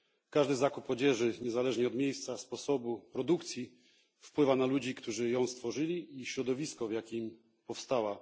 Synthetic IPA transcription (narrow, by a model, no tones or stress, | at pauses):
kaʐd̪ɘzakupɔd͡ʑɛʐɘɲɛzalɛʐɲɛɔd̪mʲjejst̪saspɔsɔbupɾɔd̪ukt̪sʲji | fpwɘvanalud͡ʑikt̪uʐɘjɔ̃w̃st̪fɔʐɘlʲiiɕɾɔd̪ɔvʲiskɔvjakʲim | pɔfst̪awa